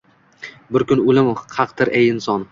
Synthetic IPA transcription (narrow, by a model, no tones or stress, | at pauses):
bɪɾkʲʊnʊlɪmhʰɑqt̪ʰɪɾʔejɪnsɒn